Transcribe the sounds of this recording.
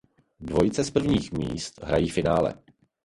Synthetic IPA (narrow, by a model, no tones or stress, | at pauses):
dvo̞jɪt͡sɛspr̩vɲiːxmḭːst̪ɦɾajiːfɪnaːlɛ̰